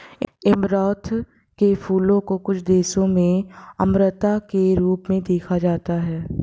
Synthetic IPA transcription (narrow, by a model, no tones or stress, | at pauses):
ɪmɾɔːt̪ʰ | kefʰuːlõkokʊt͡ʃʰd̪eːsõmẽɐmɾət̪akeɾuːpmẽd̪eːkʰad͡ʒaːt̪aɦɛː